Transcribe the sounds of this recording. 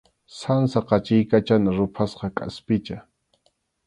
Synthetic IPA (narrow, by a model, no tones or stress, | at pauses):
sansaqɑt͡ʃɪjkat͡ʃanaɾʊpʰasqɑkʼa̰spɪt͡ʃa